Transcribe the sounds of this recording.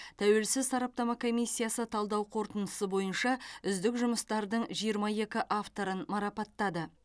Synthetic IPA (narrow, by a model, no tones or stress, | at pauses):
t̪ʰæwe̞lsɪzsɑɾɑp̚t̪ɑmɑkʰo̞mijsʲːijasət̪ʰɑlˠd̪ɑwqʰo̞ɾt̪ənəsəbo̞jənʃɑʏzd̪ɪkʒʊməst̪ɑɾd̪əɴʒijəɾmɑje̞kʲɪʔaft̪o̞ɾənmɑɾɑpɑt̪ːɑd̪ə